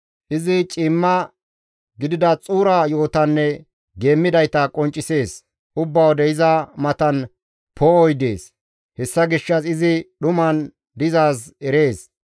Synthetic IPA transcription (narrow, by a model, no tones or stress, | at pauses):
ʔɪzɪt͡ʃʼɪmːɐ | ɡɪd̪ɪd̪ɐt͡sʼuːɾɐjo̞ːt̪ɐnːɛ | ɡe̞ːmːɪd̪ɐjt̪ɐkʼɔnt͡ʃʼːɪse̞ːs | ʔʊbːɐwd̪ɛɪzɐmɐt̪ɐn | pʰoːɔjd̪eːs | hɛsːɐɡɪʃːɐsɪzɪɗʊmɐn | d̪ɪzaːsɛɾe̞ːs